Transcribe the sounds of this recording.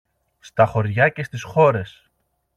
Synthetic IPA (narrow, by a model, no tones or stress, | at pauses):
st̪ɐxo̞ɾʝɐce̞st̪isxo̞ɾe̞s